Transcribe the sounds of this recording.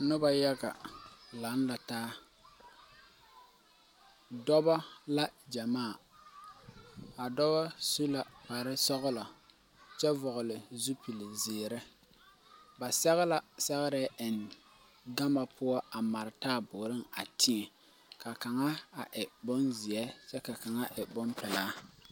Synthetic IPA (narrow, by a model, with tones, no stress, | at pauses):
nʊ˦ba˦ja˦ɡa˨la˨˦nla˨taː˦ | dɔ˦ba˦la˦d͡ʒa˨maː˦˨ | a˨dɔ˦ba˦su˦la˨pa˨ɾɪ˦sɔ˦ɣlɔ˨ | t͡ʃɛ˦vʊ˨ɣʊ˨lɪ˨zu˦pi˨lɪ˨zɪː˨ɾɪ˦ | ba˨sɛ˦ɣɪ˦la˦sɛ˦ɣɪ˦ɾɛ˦ʔɪ˨n | ɡa˦ma˨pʰʊ˦ɔ˦a˨ma˨ɾɪ˨taː˦˨bʊ˨ɾɪ˦ŋa˨tʰi˦ɛ˨ | ka˨ka˨ŋa˦a˨ʔɪ˨bʊ˦nzɪ˨ɛ˦t͡ʃɛ˦ka˨ka˨ŋa˦ʔɪ˨bʊ˦mpɪ˨laː˦